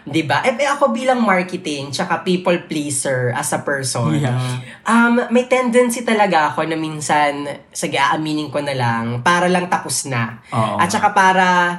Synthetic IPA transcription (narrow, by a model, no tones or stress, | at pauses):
d̪ɪbaʔɛpɛʔɐko̞biːlɐŋmaɹkɛt̪ɪŋt͡ʃɐkapiːpɐlplejsɛɹʔɐsɐpɛɹsonn | ʔɐmːɐjt̪ɛnd̪ɐnsit̪ɐlɐɡaʔɐko̞nɐmiːnsɐn | sɐɡɐʔaːʔɐmiːnɪŋkonɐlaŋpaːɾɐlɐŋt̪ɐpʊsna | ʔɐ̰t̪̚t͡ʃɐkapaːɾɐ